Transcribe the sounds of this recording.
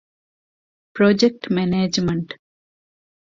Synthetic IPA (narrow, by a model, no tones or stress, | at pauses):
pɾod͡ʒek̚ʈmɛneːd͡ʒmɐɳʈ